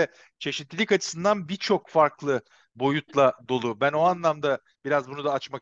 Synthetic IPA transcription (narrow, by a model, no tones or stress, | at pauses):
ɛ | t͡ʃʰe̞ʃit̪lʲilʲikat͡ʃʰɯ̥sɯnd̪anbit͡ʃʰo̞kfaɾklˠɯ | bo̞jut̪lˠad̪o̞lˠubænoanlˠamd̪a | b̥iɾazbunud̪aːt͡ʃmak